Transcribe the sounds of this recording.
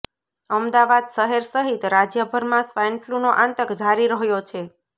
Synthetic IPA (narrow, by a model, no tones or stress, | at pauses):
əmd̪aʋad̪səɦeɾsəɦit̪ɾad͡ʒjəbʱəɾmãsʋajnflunoʔãnt̪əkd͡ʒʱaɾiɾəɦjot͡ʃʰe